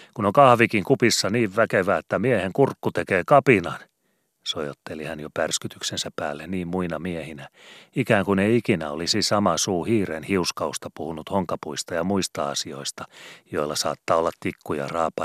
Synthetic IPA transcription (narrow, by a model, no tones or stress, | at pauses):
kunoŋkɑhʋikiŋkupisːɑniːʋʋækeʋæet̪ːæmieheŋkurkːut̪ekeːkɑpinɑn | sojot̪ːelihænjopærskyt̪yksensæppæːlːenniːmmuinɑmiehinæikæːŋkuneiikinæolisisɑmɑsuːhiːrenhiuskɑust̪ɑpuhunut̪hoŋkɑpuist̪ɑjɑmuist̪ɑ̰ɑsio̰ist̪ɑ̥joilːɑsɑ̰ːt̪ːɑːolːɑt̪t̪ikːujɑ̰rɑ̰ːpːɑ